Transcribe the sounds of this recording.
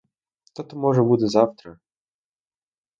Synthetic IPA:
t̪ɔt̪ɔmɔʐɛbud̪ɛzaft̪ɾə

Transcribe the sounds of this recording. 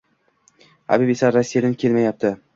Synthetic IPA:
a̰bibesaɾasːijad̪ankʲʰe̞lmajap̚t̪ʰɪ

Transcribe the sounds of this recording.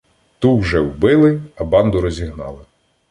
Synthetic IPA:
t̪uwʒɛwbɪlˠɪɐbɑnd̪ʊɾɔzʲiɦnɑ̰lˠɪ

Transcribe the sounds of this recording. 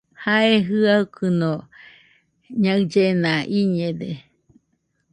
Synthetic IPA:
haeɦɨaukʰɯno | ɲaɨd͡ʒenaʔiɲed̪e

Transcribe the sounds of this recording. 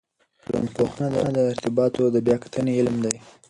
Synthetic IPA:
la̰mpoxnad̪əd̪əɪɾt̪ɪbɑt̪od̪əbjɑkḁt̪ʰəneɪlmd̪aj

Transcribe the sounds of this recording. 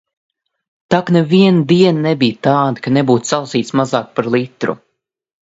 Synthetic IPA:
t̪aknɛviɛnd̪iɛnnɛbijt̪ɑːd̪ikanɛbuːt̪salˠsiːt̪smazɑːk̚paɾlˠit̪ɾṵ

